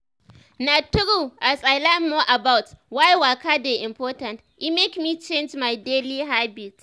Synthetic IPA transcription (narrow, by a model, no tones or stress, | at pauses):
natʊɽuʔasʼalamːoʔabawtwajwaːkadeʔɪmpɔːtɐnt | ʔɪmekmiːt͡ʃend͡ʒmajdeːliːɦabit